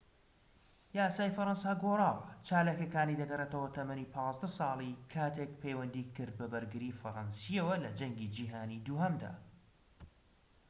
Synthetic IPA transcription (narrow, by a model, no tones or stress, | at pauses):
jaːsaːjfɐɾɐnsaːɡoːrˤaːwɐt͡ʃaːlaːkɐkaːnid̪ɐɡɐret̪ɐwɐt̪ʰɐmɐniːpʰɑːzd̪ɐsɑːlˠikʰaːt̪ek̚pʰejwɐnd̪iːkɨɾd̪̚bɐbɐɾɡɨɾiːfɐɾɑnsijɐwɐlɐd͡ʒɐŋɡid͡ʒiːɦaːnid̪uːɦɐmd̪a̰ː